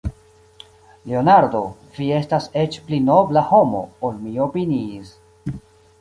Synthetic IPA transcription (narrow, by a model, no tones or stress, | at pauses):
leonaɾdo̞ | vie̞stase̞t͡ʃplinoblaho̞mo̞̰olmio̞piniːs